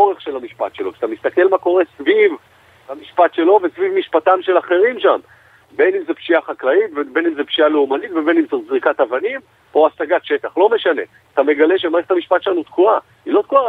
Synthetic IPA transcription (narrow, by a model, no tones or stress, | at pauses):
oʁeχʃe̞lamiʃpa̰t̪ʃelo̞kʃeat̪amist̪ake̞lmako̞ʁe̞sviv | amiʃpat̪ʃe̞lo̞vesvivmiʃpatamʃe̞laχe̞ʁimʃam | be̞nimzepʃijaχaklait̪vebe̞nimzepʃijaleumanit̪vebe̞nimt͡sozʁikat̪avanim | po̞asaɡat̪ʃe̞t̪aχlo̞me̞ʃane̞ | at̪ame̞ɡale̞ʃemaʁeχetamiʃpatʃelanut̪kua | ilo̞t̪̚kua